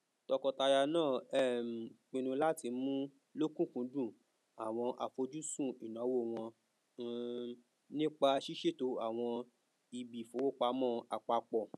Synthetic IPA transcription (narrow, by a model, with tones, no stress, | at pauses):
tɔ˧kɔ˧ta˧ja˧nãː˦˨ɛ˦˨m̩˨k͡pĩ˧nũ˧la˦ti˧mũ˦ | lo˦kũ˦˨kũ˨˦dũ˦˨ | a˨w̃ɔ̃˧ʔa˧fo˧d͡ʒu˦sũ˦˨i˨nã˨˦wo˦˨w̃ɔ̃˧ | nĩ˦k͡pa˧ʃi˦ʃe˦˨to˨˧a˨w̃ɔ̃˧ | i˧bi˨fo˨˦wo˦˨k͡pa˧˦mɔ̃˦a˧k͡pa˧k͡pɔ˨